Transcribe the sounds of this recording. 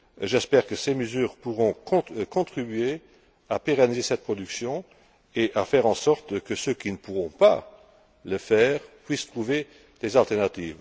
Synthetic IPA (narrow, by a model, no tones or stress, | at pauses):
ʒɛspɛːʁkəseməzyːʁpuʁɔ̃kɔ̃kɔ̃t̪χibye | apeʁanizesɛt̪̚pχɔd̪yksjɔ̃ | eʔafɛːʁɑ̃sɔʁt̪kəsøkinəpuʁɔ̃pa̰ | ləfɛːʁpwist̪χuve | d̪̥ezalt̪ɛʁnat̪iːv